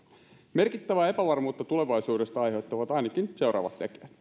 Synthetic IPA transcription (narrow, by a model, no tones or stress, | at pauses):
me̞rkit̪ːæʋæepæʋɑrmuːt̪ːɑt̪uleʋɑjsuːdest̪ɑɑjhe̞t̪ːɑʋɑt̪ɑinɑkinse̞wɾɑ̰ːʋɑ̰t̪t̪ːekiæt̪